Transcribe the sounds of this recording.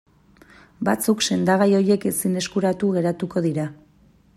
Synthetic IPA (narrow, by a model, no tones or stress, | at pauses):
bat͡sukse̞nd̪aɣajo̞je̞ke̞sine̞skuɾat̪uɣe̞ɾat̪uko̞ðiɾa